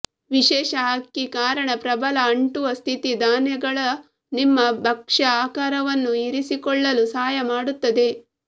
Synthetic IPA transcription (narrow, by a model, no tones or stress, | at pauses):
ʋiʃɛːʃɐɦakːikaːɾɐɳɐpɾɐbɐlɐɐɳʈuʋɐst̪ʰit̪id̪aːnjɐɡɐɭɐ | nimːɐbʱɐkʂɐaːkaːɾɐʋɐnːuiɾisikɔɭːɐlusaːjɐmaːɽut̪ːɐd̪e̞